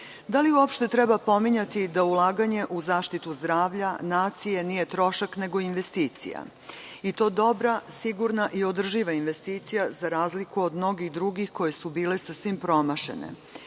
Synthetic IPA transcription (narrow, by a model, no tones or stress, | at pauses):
d̪aliuopʃt̪e̞t̪ɾɛbapo̞miɲat̪id̪aulˠaːɡaɲe̞ʔuzaːʃt̪it̪uzd̪ɾaːʋʎanaːt̪sije̞nije̞t̪ɾo̞ʃakne̞ɡo̞inʋe̞st̪iːt̪sḭja̰ | it̪o̞ːd̪o̞bɾasiɡuɾnaʔio̞d̪r̩ʒiʋainʋe̞st̪iːt̪sijazaɾaːzlikuod̪mno̞ɡiɣd̪ɾuɡixko̞je̞subiːlesasʋimpɾo̞maʃe̞̰nḛ